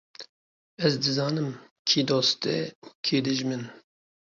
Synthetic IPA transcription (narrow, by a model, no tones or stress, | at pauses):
ɛzd̪ɨzɑːnɨm | kʰiːd̪oːst̪ɛ̰ukʰiːd̪ɨʒmɨn